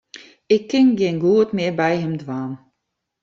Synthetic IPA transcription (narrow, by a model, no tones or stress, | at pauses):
ɪkːɪnɡɪːnɡuətmɪəbɛjɦɪmdʋaːn